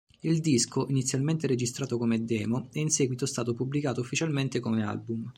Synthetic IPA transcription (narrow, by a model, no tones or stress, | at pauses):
ild̪iskoʔinit̪sːjalment̪eɾed͡ʒist̪ɾaːt̪okomed̪ɛːmoɛinsɛːɡwit̪ost̪aːt̪opublikaːt̪oufːit͡ʃalment̪ekomea̰lbum